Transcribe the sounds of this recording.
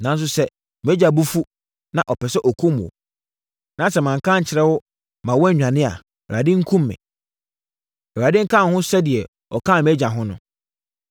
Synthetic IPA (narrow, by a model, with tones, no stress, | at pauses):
nã˨n˦s̬ʊ˦sɛ˦ | mɛ˦d͡ʑa˨bu˦fu˦ | nã˨ʔɔ˨pʰɛ˨sɛ˦ʔɔ˨kʰũ˦mṵ̃˨o̰˨ | nã˨˦sɛ˦mã˨ŋ̩˨kʰã˦ɲ̩˨t͡ɕʰɪ˨ɾɛ˦wʊ˦ | mã˨wɔ̃˦˨ɲᶣã˨nɪ̃˦a̰˨ | ɛ˨ɾa˨dɪ˦ŋ̩˦kʰũ˦mːɪ̰̃˨ | ɛ˨a˨dɪ̃˦ŋ̩˦kʰã˦˨hʊ̃˦sɛ˦dɪ˨ɛ˨ | ɔ˨kʰãː˦˨m˦ɛ˦d͡ʑa˨ɦʊ̃˦nʊ̰̃˦